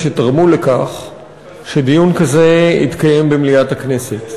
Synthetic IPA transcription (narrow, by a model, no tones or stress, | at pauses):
ʃet̪aʁmulekaχ | ʃed̪ijunkaze̞ḭt̪kaje̞mbemliatakne̞set